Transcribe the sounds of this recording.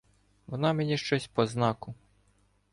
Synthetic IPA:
ʋɔnɑmenʲiʃt͡ʃɔsʲpɔznɑkʊ

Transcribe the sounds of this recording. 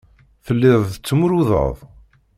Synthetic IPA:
θəlːɪðˤət͡sːmuɾuðə̰ðˤ

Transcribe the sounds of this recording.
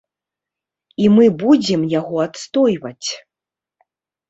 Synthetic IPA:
imɨbud͡zʲɛmjaɣɔat̪st̪ɔjvɐt͡sʲ

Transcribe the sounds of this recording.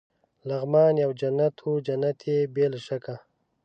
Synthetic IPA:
laɣmɑːnjawd͡ʒanːat̪ʰod͡ʒanat̪ʰjebelʃaka

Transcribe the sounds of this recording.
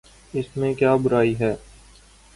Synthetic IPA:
ɪsmẽkjaːbʊɾaːiɦɛː

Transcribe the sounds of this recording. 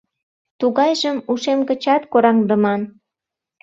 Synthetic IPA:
t̪uɣɑjʒəmuʃemkə̆t͡ɕɑt̪koɾɑŋd̪əmɑn

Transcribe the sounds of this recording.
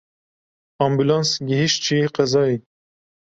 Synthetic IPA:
ɑːmbulɑnsɡiɦiʃt̪t͡ʃʰiqɛzɑːi

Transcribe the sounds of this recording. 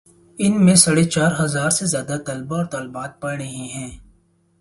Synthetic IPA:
ɪnmẽsɐɽet͡ʃaːɾɦɐzaːɾsezjaːd̪at̪ɐlbaɔːɾt̪ɐlbaːt̪̚pɐɽɽəɦĩɦɛ̃ː

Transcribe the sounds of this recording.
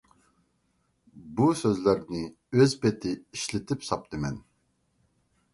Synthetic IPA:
busøzlæɾnɪ | øzpet̪ʰɪiʃlɪt̪ʰɪpsɑp̚t̪ʰɨmɛn

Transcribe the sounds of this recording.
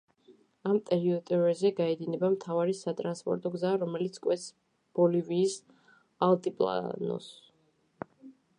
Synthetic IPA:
amt̪ʼɛɾiɔt̪ʼɛɾɛzɛɡaɛd̪inɛbamt̪ʰavaɾisat̪ʼɾanspʼɔ̰ɾt̪ʼɔɡzaɾɔmɛlit̪sʰkʼwɛt̪s | b̥ɔliviːs | alˠt̪ʼipʼlˠa̰nɔ̰s

